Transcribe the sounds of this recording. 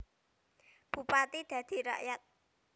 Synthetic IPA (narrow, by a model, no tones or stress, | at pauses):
b̥ṳpat̪id̪̥ä̤d̪̥i̤ɾa̰ʔjat̪̚